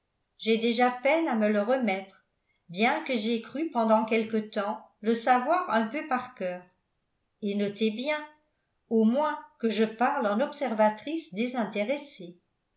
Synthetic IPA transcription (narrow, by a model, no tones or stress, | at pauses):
ʒɛd̪eʒapɛnamələʁəmɛt̪χ | bjɛ̃kəʒekχypɑ̃d̪ɑ̃kɛlkət̪ɑ̃ləsavwaʁɛ̃pøpaʁkœːʁ | enɔt̪ebjɛ̃ | omwɛ̃kəʒəpaʁlɑ̃nɔpsɛʁvat̪χisd̪ezɛ̃t̪eʁese